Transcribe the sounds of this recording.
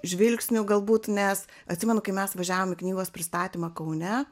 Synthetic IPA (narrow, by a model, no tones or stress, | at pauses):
ʒʲʋʲɪlʲksʲnʲʊɡɐlˠbuːt̪nʲɛs | ɐt̪ʲsʲɪmʲɛnʊkɐɪmʲɛsʋɐʒʲæːʋoːmʲɪknʲiːɡoːspʲɾʲɪst̪ɑːt̪ʲiːmɐkɐʊnʲɛ